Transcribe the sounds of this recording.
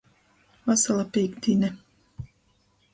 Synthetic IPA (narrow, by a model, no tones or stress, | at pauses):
vasalˠapekt̪ʲinɛ